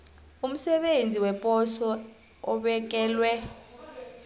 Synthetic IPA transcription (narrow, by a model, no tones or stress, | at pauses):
um̩sɛɓend͡zʱiwɛpʼɔsɔ | ɔɓɛk̬ɛːlwɛ